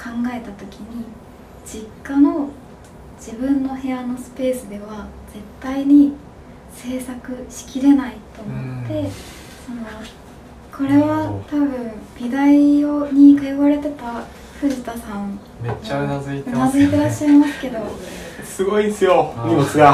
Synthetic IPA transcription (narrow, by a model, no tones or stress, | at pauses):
kʰãŋɡae̞t̪at̪o̞kʲiɲ̟i | d͡ʑikːano̞ | d͡ʑibɯ̟̃nːo̞he̞jano̞sɨ̥pe̞ːsɨd̪e̞βaz̥e̞t̪ːaiɲ̟i | se̞ːsakɯ̟ɕi̥kʲiɾe̞nait̪o̞mo̞t̪ːe̞ | sono̞ | kʰo̞ɾe̞βat̪abɯ̟̃ɴb̥ʲid̪aioɲ̟ikajoβaɾe̞t̪e̞t̪a | ɸɯ̟ʑit̪asãŋ | eaazinazɨit̪e̞ɾaɕːaimasɨ̥ke̞d̪o̞sɨɡo̞iesɨjoiesɡa